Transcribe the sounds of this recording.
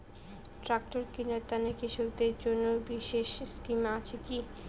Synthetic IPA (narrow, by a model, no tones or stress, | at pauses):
ʈɾak̚ʈoɾkinat̪anekiʃok̚d̪eɾd͡ʑonːobiʃeʃskimat͡ɕʰeki